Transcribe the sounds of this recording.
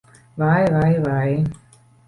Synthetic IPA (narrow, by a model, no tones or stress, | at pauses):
vajvajvaj